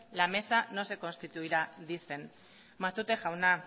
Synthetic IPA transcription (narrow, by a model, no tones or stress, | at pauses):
lame̞sano̞se̞ko̞nst̪it̪uiɾaðiθe̞n | mat̪ut̪e̞xawna